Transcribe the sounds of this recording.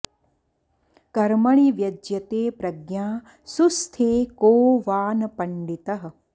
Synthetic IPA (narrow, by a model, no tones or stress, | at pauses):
kɐɾmɐɭiʋjɐd͡ʒjɐt̪eːpɾɐɡjaː | sust̪ʰeːkoːʋaːnɐpɐɳɖit̪ɐɦɐ̆